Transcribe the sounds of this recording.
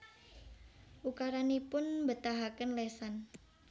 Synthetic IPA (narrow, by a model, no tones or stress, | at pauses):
ʔukaɾanipʊnmbət̪aɦakənlesan